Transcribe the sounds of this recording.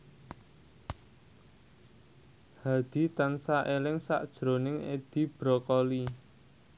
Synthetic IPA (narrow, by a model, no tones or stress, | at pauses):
had̪̥i̤t̪ansaʔelɪŋsa̰ʔd̥ʒ̥ɾonɪŋḛd̪̥i̤b̥ɾɔkɔli